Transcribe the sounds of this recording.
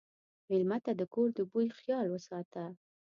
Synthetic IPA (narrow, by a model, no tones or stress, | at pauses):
mɪlmat̪ad̪əkoɾd̪əbujxjɑlwəsɑt̪a